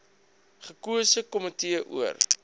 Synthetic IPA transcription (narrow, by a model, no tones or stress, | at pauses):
χəkuəsəkɔmətiəʔṵər